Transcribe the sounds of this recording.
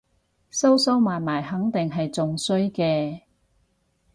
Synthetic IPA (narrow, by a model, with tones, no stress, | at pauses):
so˥wso˥wmaː˨nmaː˨˩jɦɐ˨˥ŋt̪ɪ˨ŋɦɐ˨jt͡sʊ˨ŋsɵ˥ɥkɛː˧